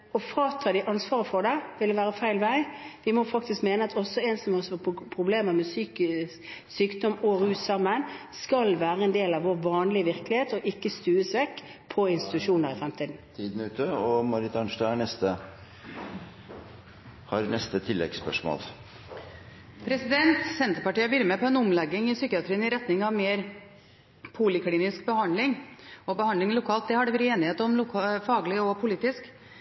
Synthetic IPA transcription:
ɔfɾɑːt̪ʰɑːd̪ɪʔɑnsʋɑːɾəfɔɖ̪ɛʋɪld̪ɛʋæːɾəfæɪlʋæɪʋɪmɔfɑk̚t̪ɪskmeːnəɑt̪ʰɔsːɔɛnsɔmhɔsɔpʰʁʊbleːməʁmɛsyːk | syːkd̪ɔmɔʁʉːt̪sɑmːənskɑlʋæːɾəɛnd̪eːlɑʋoɾʋɑːnlɪʋɪɾklɪheːt̪ɔʔɪkːəst̪ʉːəsʋɛkːpʰɔɪnst̪ɪ̥t̪ʉʂuːnəɾɪfɾɛmt̪ʰiːd̪n̩t̪ʰiːd̪n̩ʉːt̪əɔmɑɾɪt̪ɑnʂt̪ɑɑɳɛst̪ə | hɑɾnɛst̪ət̪ʰɪlːɛ̰ɡspœʂmo̰ːl | pʰɾɛsɪd̪ɛnt̪sɛnt̪əɾpɑʈiːəʋiɾəmɛpʰɔɛnʊmlɛɡːɪŋɪsyːkɪɑt̪ʰɾiːənɪɾɛt̪nɪŋɑʋmeːɾ | pʰulɪkʰliːnɪskbəhɑnd̪lɪŋɔbəhɑnd̪lɪŋlʊkʰɑːlt̪̚d̪ɛhɑɖɛʋɛɾeːnɪheːt̪əɔmlʊkʰfɑːɡlɪɔpʰʊliːt̪ɪsk

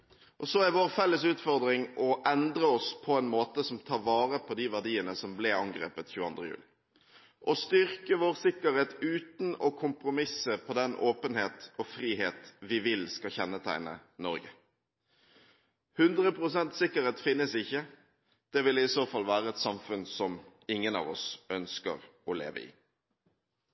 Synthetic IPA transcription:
ʔɔsɔæɾʋoːʁfɛlːəsʉːt̪fɔʁd̪ʁɪŋʔɔʔɛnd̪ɾəɔspʰɔɛɪnmoːt̪əsɔmt̪ʰɑːɾʋɑːʁəpʰɔd̪iʋæʁd̪iːənəsɔmblɛɑŋɡɾḛːpət̪çʉːəɑ̰nd̪ʁəjʉ̰ːlɪ | ʔɔst̪ʏɾkəʋoːɾsɪkəɾheːt̪ʉːt̪n̩ɔkʰʊmpɾʊmɪsəpʰɔd̪ɛnʔoːpənheːt̪ɔfʁiːɦeːt̪ʋɪʋɪlskɑçɛnːət̪ʰæ̰ɪnə̰nɔɾɡə | hʉnd̪ʁəpʰʁʊsɛnt̪sɪkːəɾeːt̪fɪnːəsɪçːə | d̪̥ɛʋɪlɪsoːfɑlʋæːɾəɛt̪sɑmfʉnsɔmɪŋːənɑ̰ːʋɔsœnskə̰ʁɔlḛːʋə̰ɪ̰ː

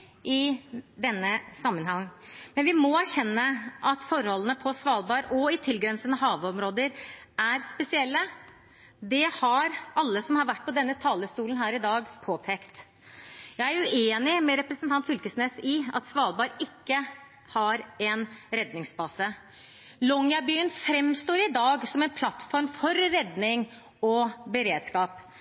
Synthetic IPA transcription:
ʔɪd̪ɛnːəsɑmːənhɑŋːmɛnʋɪmɔæʂɛnːəʔɑt̪fɔɾhɔlːənəpʰɔsʋɑːlˠbɑːɾɔɪt̪ʰɪlɡɾɛnsənəɦɑːʋəɔmɾoːd̪əɾæɾspɛsɪɛlːə | d̪ɛhɑɾɑlːəsɔmhɑɾʋæʈːpɔd̪ɛnːət̪ʰɑːləst̪uːlən̩ɦæːɾɪd̪ɑːɡpʰoːpʰeːkt̪ | jæɪæɾʉeːnɪmɛɾɛpɾɛsnt̪ʰɑnt̪fʏlkəsneːsɪɑ̰t̪sʋɑːlˠbɑɾɪkːə | hɑɾɛnɾɛd̪nɪŋsbɑːsə | lɔŋjɑbyːənfɾɛmst̪oːɾɪd̪ɑːɡsɔmɛnpʰlɑt̪ːfɔɾmfɔɾːɛd̪nɪŋ | ɔbəɾeːd̪skɑːp

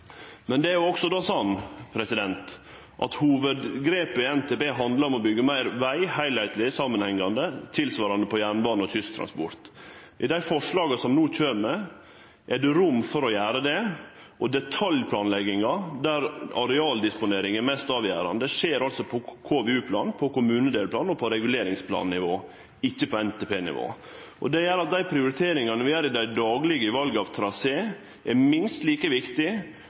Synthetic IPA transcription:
mɛnd̪ɛæɾjʊɔksɔd̪ɑːsɑnːpʰɾɛsɪd̪ɛnt̪ | ʔɑ̰t̪huːʋəd̪ɡɾeːpəɪɛnt̪ʰɛːbeːɦɑnd̪ləɾɔmɔbʏɡːəmæɪɾʋæɪhæɪlhæɪt̪lɪsɑmənhɛŋːɑnd̪ət̪ʰɪlsʋɑːɾɑnd̪əpʰɔjæːɳbɑːnɔt̪ʰʏst̪ʰɾɑ̰nspɔ̰ɾt̪ | ʔɪd̪æɪfɔʂlɑːɡɑsɔmnuːc͡çʰøːɾmɛ | ʔɛɖɛɾʊmːfɔɾɔjæːɾəd̪ɛ | ʔɔd̪ɛt̪ʰɑljpʰlɑːnlɛɡɪŋɑd̪æɾɑɾɛɑːld̪ɪspʊneːɾɪŋɛɾmɛst̪ɑːʋjæ̰ːɾɑ̰nd̪ɛʂeːɾɑlsɔpʰɔkʰoːʋɛʉːpʰlɑ̰ːnpʰɔkʊmʉːnəd̪eːlpʰlɑːnɔpʰɔɾɛɡʉleːɾɪŋspʰlɑ̰ːnnɪʋoː | ɪçːəpʰɔɛnt̪ʰepʰeːnɪ̰ʋo̰ː | ʔɔ̰d̪ɛjæɾɑt̪̚d̪æɪpʰɾɪʊɾɪt̪ʰeːɾɪŋɑnəʋɪæːɾɪd̪æɪd̪ɑːɡlɪɡəɪʋɑlɡəɑʋt̪ʰɾɑseː | ʔɛmɪnst̪liːkəʋɪkt̪ɪ

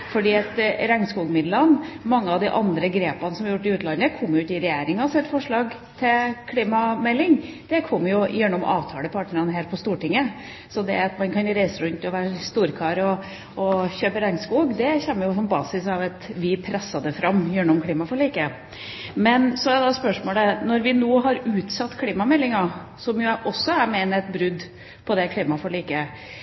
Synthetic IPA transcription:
fɔɖiːɛt̪ɾɛŋskuːɡmɪd̪lɑnmɑŋːəɑʋd̪ɪʔɑnd̪ɾəɡɾeːpɑnəsɔmɑɾjʊʈːɪʉːt̪lɑnd̪əkʰɔmːjʉːt̪ɪɾɛjeːɾɪŋɑsɛt̪ːfɔʂɭɑːɡ | t̪ʰɪlkʰliːmɑmɛlːɪŋd̪̥ɛkʰɔmːjʊjœɳːʊmɑ̰ːʋt̪ʰɑːləpʰɑʈɳnəɾɑnɦæːɾpʰɔst̪uːʈɪŋːə | sɔd̪ɛ̰ɑt̪mɑnkʰɑnɾæɪsəɾʉnt̪ːɪɔʋæːɾəst̪uːɾkʰɑːɾɔ | ɔçøːpəɾɛŋskuːɡd̪ɛçɛmːəjʊsɔnbɑ̰ːsɪsɑʋɑt̪ʋɪpʰɾɛsːɑd̪əfɾɑmːjɛnːɔmkʰliːmɑfɔɾɭiːkə | mɛnsɔæɾd̪ɑspœʂmoːlənɔɾʋɪnoːɦɑɾʉːt̪sɑt̪ːkʰliːmɑmɛlːɪŋɑ | sɔmjʊʔɔsːɔæɾmɛːnəɛt̪bɾʉd̪ | pʰɔd̪ɛkʰliːmɑfɔɭiːkə

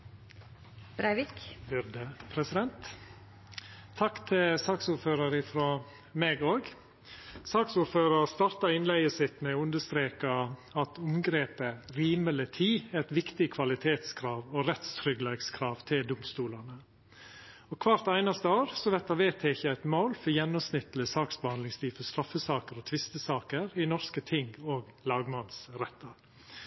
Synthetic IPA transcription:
bɾæɪʋɪkʋʏɾd̪əpʰɾɛsɪd̪ɛnt̪ | ɑkt̪ʰɪsɑksuːɾføːɾɑɾɪfɾo | meːɡoːɡ | sɑːksuɾføːɾɑɾst̪ɑɾt̪ɑɪnlæɪəsɪt̪mɛʉnd̪əst̪ɾeːkɑɑt̪ʰʊmɡɾeːpəɾiːmələt̪ʰiːɛt̪ʋɪkt̪ɪkʰʋɑlɪt̪ʰeːt̪skʰɾɑːʋoɾɛt̪st̪ʰɾʏɡlɛɡskʰɾɑːʋt̪ʰɪld̪ʊmst̪uːlɑnə | ɔkʰʋɑːɾt̪æɪnɑst̪əoːɾsɔʋɛt̪ːɑʋeːt̪ʰeːɪçəæɪt̪maʊlfɔɾjɛnːʊsnɪt̪ːəl̩əsɑːksbəhɑnd̪lɪŋst̪ʰiːfɔst̪ɾɑfːəsɑːkəɾɔt̪ʰʋɪst̪əsɑːkəɾɪnɔɾskət̪ʰɪŋɡoːɡlɑːɡmɑnsɾɛt̪ːɑɾ

